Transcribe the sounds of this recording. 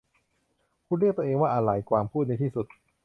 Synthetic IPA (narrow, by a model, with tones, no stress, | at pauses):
kʰuː˧˥˩ɾi˥˩k̚t̪u˧ʔeː˧ŋwaː˥˩ʔa˧la˨˩˦jkwaː˧mpʰuː˥˩t̪̚na˧jt̪ʰiː˥˩su˨˩t̪̚